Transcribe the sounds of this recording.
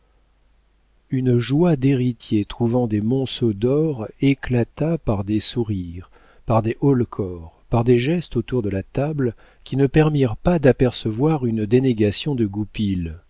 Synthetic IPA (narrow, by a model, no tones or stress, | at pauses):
ynʒwad̪eʁit̪jet̪χuvɑ̃d̪emɔ̃sod̪ɔʁeklat̪apaʁd̪esuʁiʁ | paʁd̪eʔɔlkʰɔʁpaʁd̪eʒɛst̪ot̪uʁd̪əlat̪abl | kʲinəpɛʁmiʁpad̪apɛʁsəvwaʁynd̪eneɡʲasjɔ̃d̪əɡupil